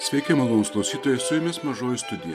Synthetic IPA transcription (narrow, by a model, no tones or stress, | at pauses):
sʲʋʲɛɪkʲemɐlˠoːnʊsklˠɐʊsʲiːt̪oːjɛsʊjɛmʲeːsmɐʒoːjɪst̪ʊd̪ʲɪjɛ